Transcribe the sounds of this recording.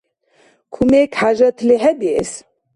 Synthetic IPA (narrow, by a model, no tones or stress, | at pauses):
kʰumekħaʒɐt̪ʰleɦɛd̪eːs